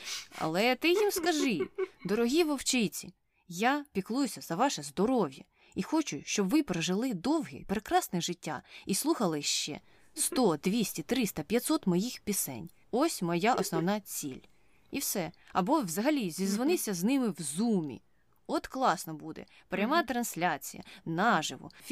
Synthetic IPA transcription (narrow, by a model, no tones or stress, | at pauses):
ɐ̰lˠɛt̪ɪjimskɐʒɪd̪ɔɾɔɦʲiʋɔwt͡ʃɪjt͡sʲi | japʲiklˠujʊsʲɐzɐʋɑʃɛzd̪ɔɾɔwʲjɐ̰ | ixɔt͡ʃʊʃt͡ʃɔbʋɪpɾɔʒɪlˠɪd̪ɔwɦʲḭpɾekɾɑsnɪʒɪtʲːa̰islˠuxɐlˠɪʃt͡ʃɛ̰ | st̪ɔd̪̥ʋʲisʲtʲit̪ɾɪst̪ɐpʲjɐt̪sɔt̪mɔjixpʲisɛ̰nʲ | ɔsʲmɔjaʔɔsnɔwnɑt͡sʲḭlʲ | iwsɛɐbɔwzɐɦɐlʲizʲizʋɔnɪsʲɐznɪmɪwzumʲḭ | ɔt̪klˠɑsnɔbud̪ɛ̰ | pɾʲɐmɑt̪ɾɐnsʲlʲat͡sʲḭjɐ̰nɑʒɪ̰ʋʊ̰